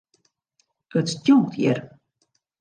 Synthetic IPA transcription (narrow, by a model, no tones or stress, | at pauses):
ətstjuŋk̚tʰjɪ̰r